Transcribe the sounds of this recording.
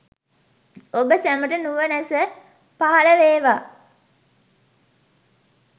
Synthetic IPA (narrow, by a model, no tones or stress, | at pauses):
obəsæməʈənuʋənæsə | paɦaləʋeːʋa